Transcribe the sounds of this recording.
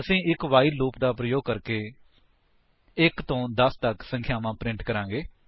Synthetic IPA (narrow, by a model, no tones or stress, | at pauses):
əsĩːɪkʋaːiːluːpd̪aːpɾəjoːɡ̚kəɾkeː | ɪkt̪õːd̪əst̪əksə̃ŋkʰjaːmãːpɾɪ̃ɳʈkəɾãːŋɡeː